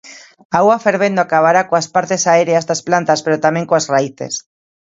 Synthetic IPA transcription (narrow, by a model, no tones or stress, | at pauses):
awafeɾβend̪oakaβaɾakoaspaɾt̪esaeɾeazðasplant̪aspeɾot̪amẽŋkoasraiθḛs